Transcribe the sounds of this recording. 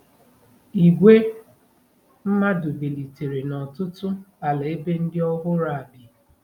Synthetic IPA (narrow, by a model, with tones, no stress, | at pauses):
i˨ɡʷe˦ | m̩˦ma˦dʊ˨be˨li˨te˨ɾe˨nɔ˨tʊ˦tʊ˦a˨la˨e˦be˦n̩˦dɪ˦ɔ˦ɦʊ˦ɾa˦˨a˨bɪ˨